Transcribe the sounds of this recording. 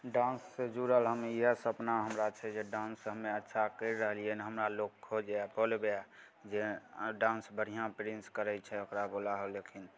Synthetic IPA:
ɖãnsːed͡ʒuɾəlɦəmiəsəpnaɦəmɾat͡ʃʰɛd͡ʒeɖãnsɦəmːeətːʃʰakəɾɾəɦliəniɦəmɾalokkʰːod͡ʒeapolbea | d͡ʒeɖãnsbəɽ̤ijãpɾinskəɾɛt͡ʃʰɛokɾabolaɦolekʰin

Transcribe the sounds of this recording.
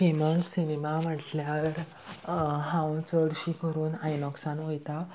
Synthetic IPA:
feməlsinemam̤əʈljaɾ | ɦãwt͡səɽɕiːkʰəɾuːnajnɔksanʋojt̪a

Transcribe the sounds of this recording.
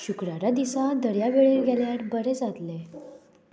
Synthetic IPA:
ɕukɾaɾad̪isãd̪əɾjaʋeɭeɭɡʱɛljaɾbəɾɛd͡zat̪le

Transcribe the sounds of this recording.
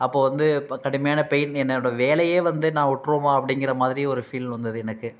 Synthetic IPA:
ɐpːoːʋɐnd̪ɯkɐɽɯmɐjaːnɐpɛjɪnɛnːɐnɔɽɐʋeːlɐjeːʋɐnd̪ɯnãːʊʈːɾoːmãːɐpːɐɽɪŋɡɪɾɐmaːðɪɾiɔɾɯfiːlʋɐnd̪ɐðɯɛnɐkːɯ

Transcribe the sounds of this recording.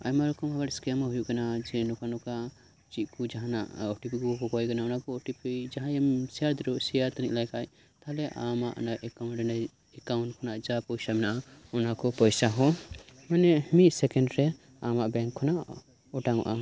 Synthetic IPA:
a̰jmaɾkɔmaɡaɾskemaɦujukanad͡ʒɛnɔkanɔka | t͡ʃit̪̚kud͡ʒaɦãna̰ʔɔʈipikuɦɔkɔjkanaunakɔɔʈipʰijd͡ʒaɦãjemsiaɾd̪ɾoʔsijat̪anḭʔlajkʰaj | t̪alɛʔa̰maʔnajʔɛkawnʈɾɛna | ɛkawnʈ̚kʰɔnaʔd͡ʒapɔjsamɛnaʔaunakɔpɔjsaɦɔmanɛhmisɛkenɖɾɛ | amaʔbɛŋkʰːɔnaʔ | ɔʈaŋɔ̰ʔa

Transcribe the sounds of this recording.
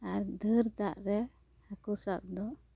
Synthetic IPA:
aɾd̪əɾd̪aʔɾɛ | hakusaʔ̚d̪ɔ

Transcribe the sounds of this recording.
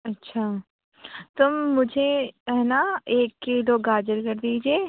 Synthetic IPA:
ɐtːʃʰaː | t̪ʊmːʊd͡ʒʱeɛnaeːkːiɖoːɡaːd͡ʒəɾkɐɾd̪iːd͡ʒieː

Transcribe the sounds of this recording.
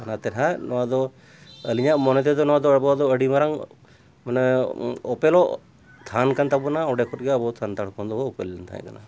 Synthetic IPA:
anat̪ɛɾɦanɔwad̪ɔ | əliɲaʔmɔnɔt̪̬ɛd̪ɔnɔad̪ɔbɔd̪ɔəɽimaɾaŋ | mn | ɔpɛlɔʔ | t̪ʰankant̪abunaɔ̃ɖɛkʰɔt̚ɡɛabɔt̪ʰant̪aɽkɔnd̪ɔbɔɔpɛlːɛnt̪ʰa̰ɛ̰̃ka̰na̰

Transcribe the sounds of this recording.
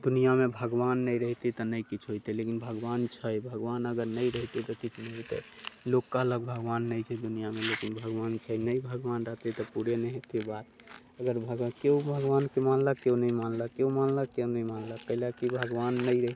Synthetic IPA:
d̪unijamebʱəɡʋanːəjɾəɦt̪et̪ɔnəjkit͡ʃʰɦojt̪ɛlekinbʱəɡʋant͡ʃʰəjbʱəɡʋanəɡəɾnəjɾəɦt̪et̪ɔkit͡ʃʰnɛɦot̪ɛ̰lokːələɡ̚bʱəɡʋanːəjt͡ʃʰɛd̪unijamelekinbʱəɡʋant͡ʃʰəjnəibʱəɡʋanɾəɦt̪et̪ɔpuɾenəɦet̪ibat̪ | əɡəɾbʱəɡkeubʱəɡʋankemanlakeunəimanlakːeumanlakenəimanlakːəɦilakibʱəɡʋanːəɾəɦ

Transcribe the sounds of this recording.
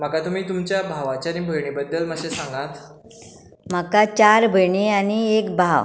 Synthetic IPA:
m̤əkat̪um̤iːt̪umt͡ɕjabʱaʋat͡ɕjañibʱəjɳibəd̪ːəlməɕesãŋɡat̪ | makat͡ɕaɾbʱəjɳiañiekbʱaw

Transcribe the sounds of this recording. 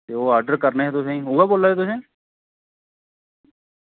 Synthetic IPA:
t̪eːoːaːɾɖəɾkəɾneɦɛːt̪ʊsẽɦuːɡaːboːlaːɦeːt̪ʊsẽː

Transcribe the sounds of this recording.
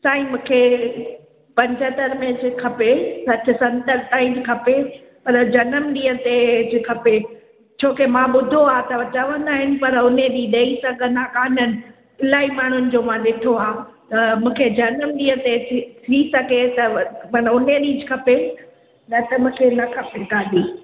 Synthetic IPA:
saːĩmũːkʰe | pɐ̃ɲd͡ʑət̪əɾmẽd͡ʑɪkʰɐpesɐt̪ʰɪ̆sɐ̃nt̪əɾt̪aːĩd͡ʑɪkʰɐpe | pɐɾd͡ʑɐnəmɗĩːə̃t̪ed͡ʑɪkʰɐpe | t͡ɕʰoːkemãɓʊd̪ʱoaːt̪ɐʋɐt͡ɕɐʋə̃nd̪aːɦɪnɪ̆pɐɾʊnẽɗ̪iɗɐisɐɡʱənaːkaːnənɪ̆ | ɪlaːimaːɳ̤ʊnɪ̆d͡ʑoːmãɗɪʈʰoaː | t̪ɐmũːkʰed͡ʑɐnəmɗĩːə̃t̪et̪ʰisɐɡʱet̪ɐmɐnʊneɗĩːd͡ʑɪkʰɐpe | nɐt̪ɐmũːkʰenɐkʰɐpekaːɗiː

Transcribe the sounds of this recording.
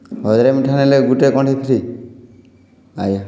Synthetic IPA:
ɦɔd͡ʒɾemiʈʰaneleɡuʈekɔʈʰik̪ʰiɾi | aja

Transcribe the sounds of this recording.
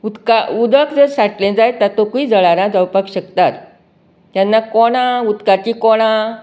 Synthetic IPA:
ud̪kaud̪əkd͡zəɾsaʈlẽd͡zajt̪at̪okuiːd͡zəɭaɾãd͡zawpakɕəkt̪at̪ | t̪janːakɔɽ̃ãud̪kat͡ɕikɔɽ̃ã

